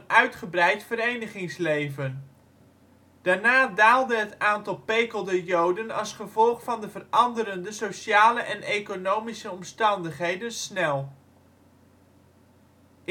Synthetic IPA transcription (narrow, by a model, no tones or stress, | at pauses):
nœɥtχəbrɛjtfəɾejnəχɪŋslejvən | d̥aːɹnaːdaːlˠdəɦətaːntɑlˠpejkəlˠdəjowdənɑ̰lˠsχəvɔlˠχfɑndəvərɑndəɾəndəsoʃaːləʔɛnejkonowmisəɔmstɑndəχɦejdənsnɛlˠ